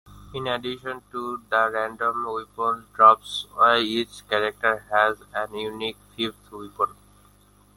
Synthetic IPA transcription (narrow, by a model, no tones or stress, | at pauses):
ĩnəɖiʃə̃nʈud̪əɾæ̃ɳɖõmujpɔ̃nɖɾɔpsɔit͡ʃkɛɾek̚ʈəɾɦɛzɛ̃njunikfift̪ʰuipən